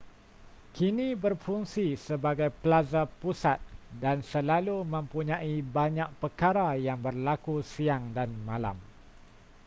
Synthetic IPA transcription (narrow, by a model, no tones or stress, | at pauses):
kinĩbərfuŋsisəbaɡajpəlazapusat̪̚dansəlalumə̃mpuɲãibaɲãʔ̚pərkaɾajaŋbərlakusiaŋdanmãla̰m